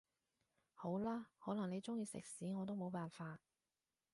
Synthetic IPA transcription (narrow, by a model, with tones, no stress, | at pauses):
ho˨˥wlaː˥hɔː˨˥lɐ˨˩ŋne˨˧jt͡sʊ˥ŋjiː˧sɪ̰˨k̚siː˨˥ŋɔː˨˧t̪̬o˥wmo˨˧wpaː˨nfaː˧t̚